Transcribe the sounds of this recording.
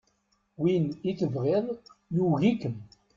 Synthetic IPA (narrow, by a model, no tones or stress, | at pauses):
winit͡səvʁeðˤjuɣikəm